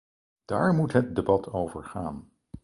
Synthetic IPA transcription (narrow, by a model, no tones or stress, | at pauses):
d̥aːɹmutɦət̚debɑtʰowvəɹχaːn